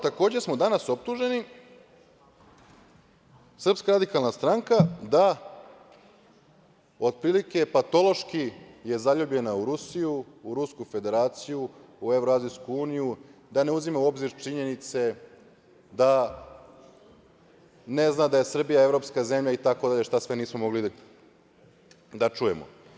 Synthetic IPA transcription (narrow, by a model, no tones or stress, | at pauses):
t̪ako̞ːd͡ʑesmod̪anaso̞p̚t̪uʒe̞ni | sr̩pskaɾad̪ikalˠnast̪ɾaŋkad̪a | o̞d̪̚pɾiːlike̞pat̪o̞lo̞ʃkije̞zaʎubʎe̞nauɾusijuːɾuskufe̞d̪e̞ɾaːt̪sijuːe̞vɾoazijskuuːnijud̪ane̞uzimauo̞bziɾt͡ʃiɲe̞nit̪se̞ | d̪a | ne̞znad̪aje̞sr̩bijae̞vɾo̞pskaze̞mʎait̪akod̪aʎe̞ʃt̪asʋeniːsmo̞mo̞ɡli | d̪at͡ʃuje̞̰mo̰